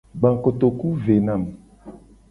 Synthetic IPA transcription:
ɡ͡bã˨ko˨t̪o˨ku˦ve˨nã˨m˨

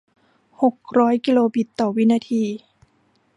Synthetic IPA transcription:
ho˨˩k̚ɾɔː˦˥jki˧loː˧bi˨˩t̪ːɔː˨˩wi˦˥naː˧t̪ʰiː˧

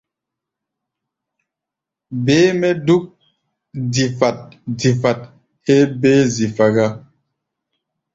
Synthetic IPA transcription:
beː˨˦mɛ˦du˦k̚ | di˨fa˨t̚di˨fa˨t̚ | he˦be˦zi˨fa˨ɡa˦

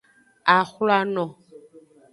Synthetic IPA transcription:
a˨xu˦la˦nɔ˨

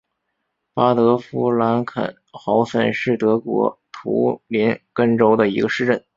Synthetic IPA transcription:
pa˥t̪ɤ˧˥fu˥la˧˥nkʰə̰˨˩n | xɑ˧˥ʊsə̰˨˩nʂɻ̩˥˩t̪ɤ˧˥kwɔ̰˧˥t̪ʰṵ˧˥li˧˥nkə˥nʈ͡ʂo˥ʊd̪ə˨i˧˥ɡə˧ʂɻ̩˥˧ʈ͡ʂə˥˩n

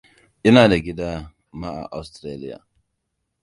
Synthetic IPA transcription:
ʔi˦na˨da˨ɡi˦da˦ | ma˦a̰˨ʔa̰˨stɾe˦lḭ˦ja̰˨

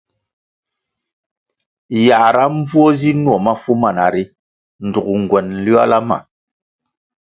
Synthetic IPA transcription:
ja˨ɾa˦m˦b͡vu˦o˦zi˦nwɔ˨ma˦fu˦ma˨na̰˨ɾi˦ | n̩˨du˨kŋ˨ɡwɛ˨n̩˨li˦a˦la˦ma̰˨

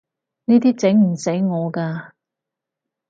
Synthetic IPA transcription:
niː˥t̪iː˥t͡sɪ˨˥ŋm̩˨˩se˨˥jŋɔː˨˧kaː˧

